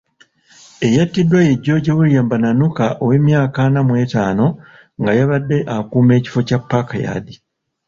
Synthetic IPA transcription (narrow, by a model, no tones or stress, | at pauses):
e̞jatːidːwajeɟːo̞ɟewuljaːmbananukaʔowe̞ːmjaːkanamwe̞ːtaːno̞ | ŋɡajaβadːe̞ʔakuːme̞ːci̥fo̞capːakaja̰di